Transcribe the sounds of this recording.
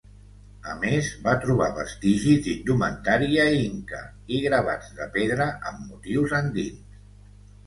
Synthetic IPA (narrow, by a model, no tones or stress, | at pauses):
əmezβat̪ɾuβ̞a̰βə̰st̪iʒizd̪ind̪umənt̪aɾiəiŋkə̰ | iɣɾəβ̞a̰d͡zðəpeðɾəʔəmːut̪iwzənd̪ins